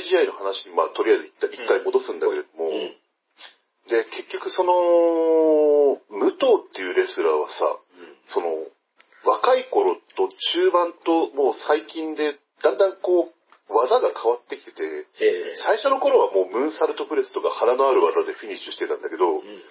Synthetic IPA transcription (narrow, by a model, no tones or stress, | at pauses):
ʑiaino̞hanaɕiɲ̟imat̪o̞ɾʲijajzɨit̪ːaʔikːaimo̞d̪osɨ̃nd̪ake̞ɾe̞d̪o̞mo̞ | d̪e̞ke̞kʲːo̞kɯ̟so̞no̞ | mɯ̟t̪oːt̪ːe̞jɯ̟ɾe̞sɨɾaβa̰sa̰ | so̞no̞̰ | βakaiko̞ɾo̞t̪o̞t͡ɕɨːbãnt̪o̞mo̞ːsaikʲĩnd̪e̞ | d̪̥ãnd̪ãŋko̞ː | βazaɡakʰaβat̪ːe̞kʲi̥t̪e̞t̪e̞saiɕo̞no̞ko̞ɾo̞βamo̞ːmɯ̟̃ɰ̃saɾɯ̟t̪o̞pɯ̟ɾe̞sɨ̥t̪o̞kahanano̞aɾɯ̟βazad̪e̞ɸʲiɲ̟it͡ɕːɨ̥ɕi̥t̪e̞t̪ã̰nd̪ake̞d̪o̞